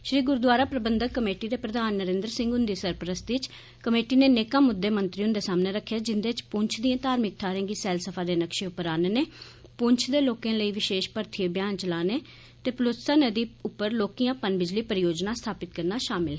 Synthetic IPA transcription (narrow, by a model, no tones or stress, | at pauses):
ʃɾiːɡʊɾd̪waːɾaːpɾəbənd̪əkːəmeːʈiːd̪eːpɾəd̪aːnːəɾẽːnd̪əɾsɪ̃ŋɡʊnd̪iːsəɾpɾəst̪ɪt͡ʃ | kəmeːʈiːneːneːkãːmʊd̪ːeːmənt̪ɾiːʊnd̪eːsaːmneːɾəkʰːjaːd͡ʒɪnd̪eːt͡ʃpʊɲt͡ʃʰd̪ijãːt̪aːɾmɪk̚t̪ʰaːɾẽːɡiːsɛːlsəpʰaːd̪eːnəkʃeːʊpːəɾaːneneːpʊɲt͡ʃʰd̪eːloːkẽːləiːʋɪʃeːʃpəɾt̪ʰɪeːbjaːnt͡ʃəlaːneː | t̪eːplʊt̪saːnəd̪iːʊpːəɾloːkijãːpənbɪd͡ʒliːpəɾɪjoːd͡ʒnaːst̪ʰaːpɪt̪̚kəɾnaːʃaːmɪlɦɛ